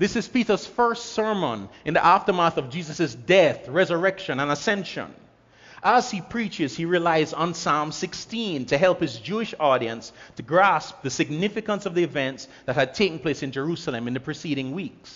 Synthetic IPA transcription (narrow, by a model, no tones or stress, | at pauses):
ðɪsɨz̥piɾə˞z̥fɜ˞stsɜ˞mə̃nɨ̃nðiʔæftə˞mɑɹθʌvd͡ʒizɨsɨzdɛθɹɛzə˞ɛkʃɨ̃nə̃nəsɛ̃nʃə̰̃n | ʔəz̥ipʰɹ̥it͡ʃɪz̥hiɹilaɪzn̩sɑ̃msɪkstĩntʰɨɦɛlˠphɨzd͡ʒuɨʃɔɾiɨ̰̃nstʰɨɡɹæsp̚ðɨsɨɡ̚nɪfɨkə̃nsʌvðiɨvɛ̃nts | ðɨt̚ɨd̚tʰeɪkn̩pʰl̥eɪsɨ̃nd͡ʒə˞usl̩ˠə̃mɨ̃nðɨpʰɹ̥ɨsiɾɪ̃ŋwiks